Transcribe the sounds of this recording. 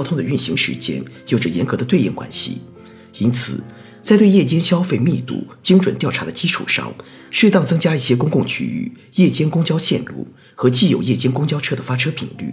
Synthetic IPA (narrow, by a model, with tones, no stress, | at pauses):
jɑ˥t̪ʰʊ˥ŋd̪ə˨y˥˩nɕi˧˥ŋʂɻ̩̰˧˥t͡ɕjɛ̰˥njo˨˩ʊʈ͡ʂə˦jɛ˧˥nkɤ˧˥d̪ə˧we˥˧ɪjɛ̰˥˩nkwa̰˥nɕḭ˧˩ | i˥nt͡sʰɹ̩̰˨˩ | t͡sa˥˧ɪt̪we˥˧ɪjɛ˥˩t͡ɕjɛ˥nɕjɑ˥ʊfe˥˧ɪmi˥˧t̪ṵ˥˩t͡ɕi˥ŋʈ͡ʂwə˨˩nt̪jɑ˥˩ʊʈ͡ʂʰa˧˥d̪ə˧t͡ɕi˥ʈ͡ʂʰṵ˨˩ʂɑ̰˥˩ŋ | ʂɻ̩˥˧t̪ɑ˥˩ŋt͡sɤ˥ŋt͡ɕja˥i˥˩ɕjɛ˥kʊ˥ŋkʊ˥˩ŋt͡ɕʰy̰˧˥y̰˥˩jɛ˥˩t͡ɕjɛ˥nkʊ˥ŋt͡ɕjɑ˥ʊɕjɛ̰˥˧nlṵ˥˩ | xɤ˧˥t͡ɕi˥˩jo˨˩ʊjɛ˥˩t͡ɕjɛ˥nkʊ˥ŋt͡ɕjɑ˥ʊʈ͡ʂʰɤ˥d̪ə˨fa˥ʈ͡ʂʰɤ˥pʰḭ˨˩ŋly̰˥˩